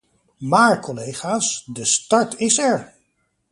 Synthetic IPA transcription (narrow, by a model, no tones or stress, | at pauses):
maːɹkɔlejχaːsdəstɑɹtɪsɛɹ